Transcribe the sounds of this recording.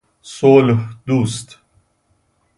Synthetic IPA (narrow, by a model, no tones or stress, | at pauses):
solhd̪ust̪